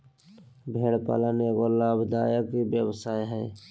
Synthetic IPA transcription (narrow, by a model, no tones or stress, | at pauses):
bʱeːɽpa̰ːlaːnekolaːbʱd̪aːjakibjəwsaːeɦɛː